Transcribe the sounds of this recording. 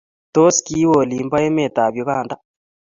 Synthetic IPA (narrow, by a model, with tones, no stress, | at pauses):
to˦ski˦wo˨li˨mba˦e˦me˨t̪a˨βjo˨kaː˨nda˦